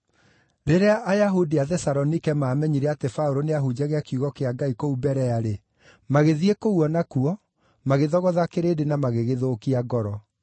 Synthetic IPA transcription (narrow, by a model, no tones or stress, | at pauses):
ɾeɾeaʔajaɦudiaðɛsaɾɔnikɛmaːmɛɲiɾɛatefaoɾoneaɦud͡ʑaɣeakjuɣɔkeaɡaikoubɛɾɛaɾe | maɣeðiekouɔnakuɔ | maɣeðɔɣɔðakeɾedenamaɣeɣeðoːkiaɡɔɾɔ